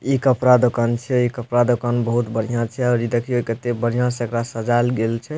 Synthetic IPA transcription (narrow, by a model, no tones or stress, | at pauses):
ikəpɾad̪okant͡ʃʰɛikəpɾad̪okanbəɦut̪bəɽ̤ijãt͡ʃʰɛaɾid̪ekʰiojkət̪ːebəɽ̤ijãsəkɾasəd͡ʒalɡelt͡ʃʰɛ